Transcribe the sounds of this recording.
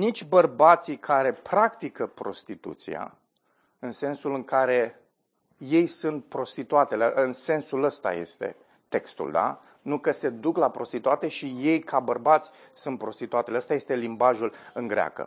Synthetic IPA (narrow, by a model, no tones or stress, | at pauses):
nit͡ʃʲbərbat̪sikʰaɾe̞pɾakt̪ikəpɾo̞̰st̪it̪ṵt̪sija̰ | ɨnse̞nsulɨŋkaɾe̞ | je̞jsunt̪̚pɾo̞st̪it̪uat̪e̞leʔɨnse̞nsuləst̪a̰je̞̰st̪e̞̰ | t̪e̞kst̪ṵld̪a̰ | nukəse̞d̪uklapɾo̞st̪it̪uat̪e̞ʃije̞jkʰabərbat̪sʲsunt̪̚pɾo̞st̪it̪uat̪eleəst̪aje̞st̪e̞limbaʒulɨŋɡɾea̰kə̰